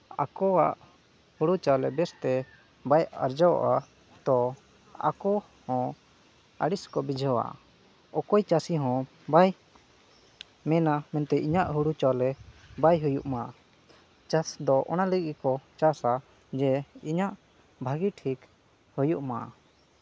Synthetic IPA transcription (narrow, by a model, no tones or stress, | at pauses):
a̰kɔwaʔ | huɽut͡ʃalɛbɛst̪ɛ | baja̰ɾd͡ʒaw̰ʔa | d̪ɔ | a̰kɔ | hɔ̃ | a̰ɽiskɔbid͡ʒʱəwa̰ | ɔkɔjt͡ʃasiɦɔ̃ | baj | mɛnamɛnt̪ɛʔiɲaʔɦuɽut͡ʃalɛbajɦujuʔmaʔ | t͡ʃasd̪ɔʔɔnaləɡikɔt͡ʃasa | d͡ʒɛiɲaʔ | bʱaɡiʈʰik | hujuʔmaʔa